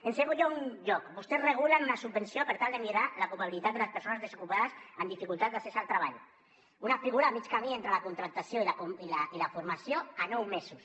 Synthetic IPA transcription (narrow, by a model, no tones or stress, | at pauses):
enseɣuʎounʎɔkbust̪ezreɣ̞ulanunasubensjopeɾt̪alˠd̪emiɾalakuβaβilit̪at̪̚d̪elaspeɾsonazðesokupaðasamd̪ifikulˠt̪at̪̚d̪asesalt̪ɾaβaʎ | unafiɣuɾaːmit͡ʃkamient̪ɾalakunt̪ɾak̚t̪asjoilailailafuɾmasjoanowmesus